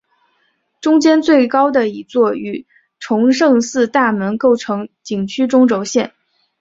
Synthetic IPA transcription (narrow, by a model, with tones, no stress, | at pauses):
ʈ͡ʂʊ˥ŋt͡ɕjɛ˥nt͡swe˥˩ɪkɑ˥ʊd̪ə˨i˨˩t͡swɔ˥˩y˨˩ | ʈ͡ʂʰʊ˧˥ŋʂɤ˥˧ŋsɹ̩˥˧t̪a˥˩mə˧˥nko˥˩ʊʈ͡ʂʰɤ˧˥ŋt͡ɕi˨˩ŋt͡ɕʰy˥ʈ͡ʂʊ˥ŋʈ͡ʂo˧˥ʊɕjɛ˥˩n